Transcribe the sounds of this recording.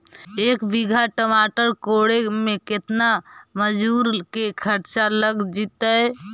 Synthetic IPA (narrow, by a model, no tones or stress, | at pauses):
eːkbiɡʱaʈəmaːʈəɾkoɽemẽkɪt̪naməd͡ʒuːɾkekʰəɾt͡ʃaləɡd͡ʒit̪əɛ